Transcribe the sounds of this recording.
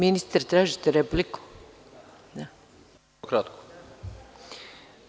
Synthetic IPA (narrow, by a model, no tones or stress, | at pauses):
minist̪aɾt̪ɾaːʒit̪eɾepliku̥ | d̪a | kɾat̪ko̥